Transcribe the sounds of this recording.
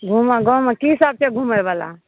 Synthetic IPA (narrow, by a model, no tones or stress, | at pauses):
ɡʱumaɡɔmãkisaːb̚t͡ʃeɡʱumajʋala̰